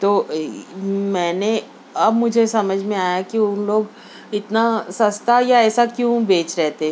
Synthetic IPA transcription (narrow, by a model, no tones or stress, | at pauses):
t̪oː | mɛːne | ɐbmʊd͡ʒʱesɐməd͡ʒʱmẽaːjakiʊnloːɡ | ɪt̪nasɐst̪ʰajaɛːsakjũbeːt͡ʃɾɛɦt̪e